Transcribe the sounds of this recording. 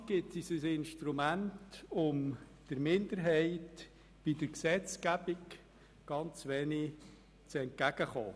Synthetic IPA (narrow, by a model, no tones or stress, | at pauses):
ɡ̥ɪtisəsɪnʃtɾumæntʊm | d̥əɾmɪnd̪əɾɦɛɪt | b̥id̥əɾksɛt͡skæbɪk | ɡ̥ɑnt͡sʋɛːni | t͡sɛnt̚kæɡ̥əχo̰ː